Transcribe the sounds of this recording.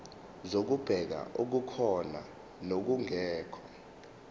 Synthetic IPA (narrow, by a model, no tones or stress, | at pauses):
zok̬ub̥ʱɛk̬a̰ʔuk̬ukʰɔna̰ | nok̬uŋɛːkʰɔ